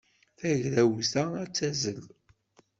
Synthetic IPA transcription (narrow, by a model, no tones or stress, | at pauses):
θæʝɾæwisææt͡sːæzəl